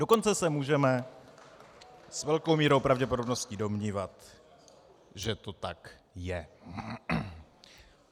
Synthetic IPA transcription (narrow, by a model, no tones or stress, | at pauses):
do̞ko̞nt͡sɛsɛmuːʒɛmɛ | svɛlko̞wmiːɾowpɾavɟɛpodo̞bno̞scido̞mɲiːvat̪ | ʒɛt̪o̞t̪akjɛ